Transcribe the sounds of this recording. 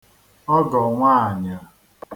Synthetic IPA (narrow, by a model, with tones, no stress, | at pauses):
ɔ˦ɡɔ˨ŋʷa˦˨ɲa˨